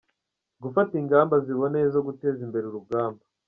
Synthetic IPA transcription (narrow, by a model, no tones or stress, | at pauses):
ɡufatiŋɡaːmbaziβo̞nezo̞ɡute̞ːzimbe̞ɾuɾuɡaːmba